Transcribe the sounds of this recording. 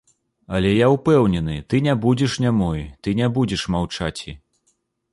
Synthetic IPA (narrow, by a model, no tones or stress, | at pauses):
ɐlʲɛjawpɛwnʲɛnɨt̪ɨnʲabud͡zʲɛʂnʲamɔjt̪ɨnʲɛbud͡zʲɛʂmawt͡ʂat͡sʲḭ